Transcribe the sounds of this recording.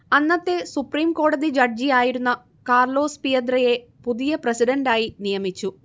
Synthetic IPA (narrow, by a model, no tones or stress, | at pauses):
ɐnːɐt̪ːe̞supriːmko̞ːɽɐðid͡ʑɐrd͡ʑijaːjiɾunːɐ | kaːrlo̞ːspijɐnd̪rɐje̞ | puðijɐprɐsiɖɐɳɖaːjinijɐmit͡ɕːu